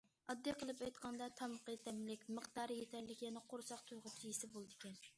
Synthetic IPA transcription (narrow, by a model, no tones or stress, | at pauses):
ɑd̪ːijqʰəlˠɨpɑjt̪qʰɑnd̪ɑt̪ʰɑməqət̪ʰɛmlɪkʲmɨχt̪ɑːɾjet̪ʰɛlʲlɪkʲjɛnɛqʰoɾsɑqt̪ʰujʁʊpt͡ʃʰijisɪbolˠɨd̪ɪkʲɛn